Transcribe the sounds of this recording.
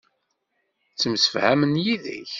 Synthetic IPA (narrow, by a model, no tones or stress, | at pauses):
t͡sːəmsə̥fhæmənjiðə̰ç